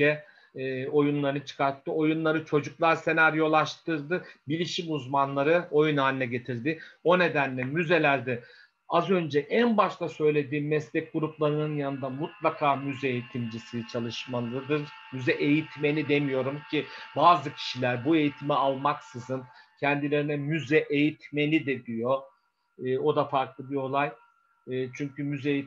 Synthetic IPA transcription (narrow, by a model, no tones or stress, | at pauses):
ɛ | o̞junlˠaɾɯnɯt͡ʃʰɯ̥kaɾt̪ʰːɯo̞junlˠaɾɯt͡ʃʰo̞d͡ʒuklˠaɾse̞naɾjo̞lˠaʃt̪ɯɾd̪ɯbilʲiʃimuzmanlˠaɾɯo̞junaːnʲnʲɛɟe̞t̪ʰiɾd̪ɪo̞ne̞d̪ænlʲɛmyze̞lʲæɾd̪ɛ | azø̞nd͡ʒɛʔænbaʃt̪ˠasø̞jlʲe̞d̪iːnmɛslʲɛc̚ɡuɾuplˠaɾɯnɯnjanɯnd̪amut̪lˠakʰaːmyzɛejit̪ʰimd͡ʒisit͡ʃʰalˠɯʃmalˠɯd̪ɯɾ | myzɛʔe̞jit̪ʰme̞lʲid̪e̞mijo̞ɾumcʰibaːzɯcʰi̥ʃilʲæɾbue̞jit̪ʰimialˠmaksɯzɯncʰɛnd̪ilʲe̞ɾinɛmyzɛʔejit̪me̞lʲid̪ɛd̪ijo̞ | ɯːo̞d̪afaɾklˠɯbio̞lˠajː | t͡ʃʰyɲcymyzɛi